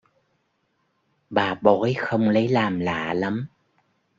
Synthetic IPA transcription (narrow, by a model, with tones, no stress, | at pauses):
ɓaː˨˩ɓɔ˨˦jxə˧wŋ͡mlə˨˦jlaː˨˩mla̰ː˧˨la˨˦m